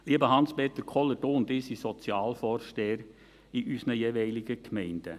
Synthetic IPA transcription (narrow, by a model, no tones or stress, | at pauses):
liəbəhɑnspeːt̪əɾkʰɔlːədoːʊnd̪ɪːsisɔt͡sjɑːlfɔːɾʃteːəɾ | iʔysnəjeʋɛɪlɪɡəkʰmɛɪnd̥ə